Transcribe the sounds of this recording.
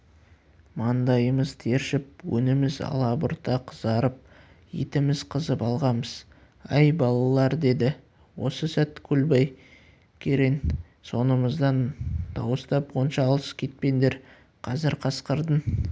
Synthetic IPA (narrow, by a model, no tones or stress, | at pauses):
mɑnd̪ɑjəməzt̪ʰeɾʃɪp̚wɵ̰nɪmɪzɑ̰lˠɑbʊɾt̪ɑqʰəzɑɾəp̚ | ḭt̪ɪmɪzqʰəzəpɑlˠʁɑməz̥ | ɑjbɑlˠɑlˠɑɾd̪e̞d̪ɪ | wo̞səsæt̪kʲʰɵlbɑj | kʲʰeɾe̞n | so̞nəməzd̪ɑnd̪̥ɑ̰wəst̪ɑponʃɑːlˠəskʲʰe̞t̪̚pe̞nd̪e̞ɾ | qʰɑzɪɾqʰɑsqəɾd̪ən